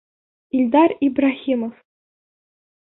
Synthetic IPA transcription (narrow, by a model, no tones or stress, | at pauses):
ilʲd̪ɑribraxʲimŏf